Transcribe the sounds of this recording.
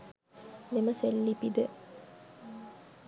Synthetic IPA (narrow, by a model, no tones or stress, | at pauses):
miməselːipid̪ə